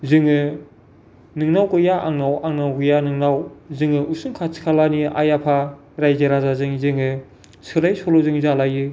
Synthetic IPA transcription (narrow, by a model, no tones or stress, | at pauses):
zɯŋɯ | nɯŋnawkɯjaʔaŋnawaŋnawɡɯjanɯŋnawzɯŋɯusɯŋkʰasʰi̥kʰalaniʔa̰japʰa | ɾajzeɾazazɯŋzɯŋɯ | sʰɯlajsɔlɔzɯŋzalajɯ